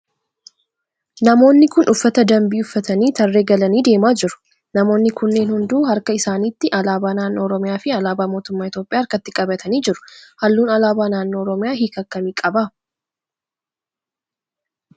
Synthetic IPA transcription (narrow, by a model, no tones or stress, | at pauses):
nɐmo̞ːnːɪkʊnʔʊfːɐt̪ɐd̪ɐmbiːʊfːɐt̪ɐniːt̪ɐrːeːɡɐlɐniːd̪e̞ːmaːd͡ʒɪɾʊ̥ | nɐmo̞ːnːɪkʊnːe̞ːnhʊnd̪uːhɐɾkɐɪsaːniːt̪ːɪʔɐlaːbaːnaːnːo̞ːɔɾɔmɪjaːfɪɐlaːbaːmo̞ːt̪ʊmːaːɪt̪jo̞ːpʼɪjaːɐɾkɐt̪ːɪkʼɐbɐt̪ʰɐniːd͡ʒɪɾʊ̥hɐlːuːnɐlaːbaːnaːnːo̞ːɔɾɔmɪjaːhiːkɐkːɐmiːkʼɐbaː